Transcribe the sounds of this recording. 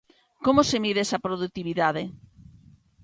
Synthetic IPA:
komosemiðɛsɐpɾoðut̪iβiðaðe

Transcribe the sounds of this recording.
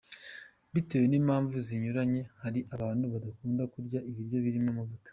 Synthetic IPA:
βite̞ːwe̞niːmhaːɱvuziɲuɾaɲe̞haɾiʔaβaːnuβadakuːndakuɾɟaʔiβiɾjo̞βiɾimomavutḁ

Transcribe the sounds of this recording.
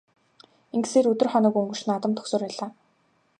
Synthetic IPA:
eŋɡɘseːɾɵt̪ɵ̆rχɔnɞ̆kuŋɡɵ̥̆ʃnaːt̪ə̆mt̪ʰɵ̥ksoːrpæːɮaː

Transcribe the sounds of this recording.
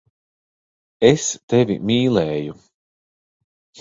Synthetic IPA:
est̪evʲḭmiːlˠɛːju

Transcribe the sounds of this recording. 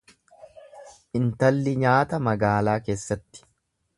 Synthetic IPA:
ʔɪnt̪ɐlːɪɲaːt̪ɐmɐɡaːlaːke̞ːsːɐt̪ːɪ̥

